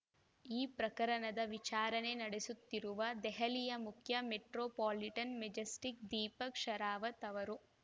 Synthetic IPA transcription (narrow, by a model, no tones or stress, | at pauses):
iːpɾɐkɐɾɐnɐd̪ɐʋit͡ʃaːɾɐne̞nɐɽesut̪ːiɾuʋɐd̪ɛɦɐlijɐmukʰjɐmeʈɾoːpaːliʈɐnmed͡ʒɐsʈik̚d̪iːpɐkʂɐɾaːʋɐt̪ɐʋɐɾu